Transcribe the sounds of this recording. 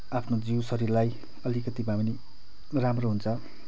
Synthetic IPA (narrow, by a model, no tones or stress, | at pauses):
apʰnod͡ziwsʌɾirlaj | ʌlikʌt̪ibamni | ramroɦunt͡sʰʌ